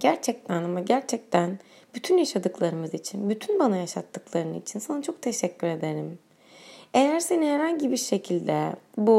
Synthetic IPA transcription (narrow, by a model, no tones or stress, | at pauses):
ɟ̥æɾt͡ʃʰɛc̚t̪ʰænamaɟæɾt͡ʃʰɛc̚t̪ʰæn | b̥yt̪ʰynjaʃad̪ɯklˠaɾɯmɯzit͡ʃʰinbyt̪ʰynbanajaʃat̪ʰːɯklˠaɾɯnit͡ʃʰinsanat͡ʃʰo̞k̚t̪ʰe̞ʃɛcʰːyɾe̞d̪eɾim | e̞jæɾse̞niheɾɦanɟibiɾʃe̞cʰilʲd̪ɛbu